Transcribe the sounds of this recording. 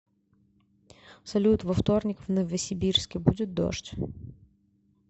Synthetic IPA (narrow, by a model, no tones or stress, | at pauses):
sɐlʲut̪vɐft̪o̞rnʲɪkvnəvəsʲɪbʲirskʲɪbudʲɪt̪̚d̪o̰ʂtʲ